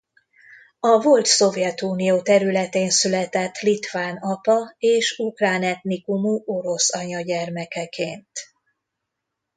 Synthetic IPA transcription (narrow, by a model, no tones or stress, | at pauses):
ɒvo̞lt̪so̞vjɛt̪uːnijoːt̪ɛɾylɛt̪eːnsylɛt̪ɛt̪ːlit̪vaːnɒpɒeːʃukraːnɛt̪nikumuʔo̞ɾo̞sɒɲɒɟɛrmɛkɛkʰeːnt̪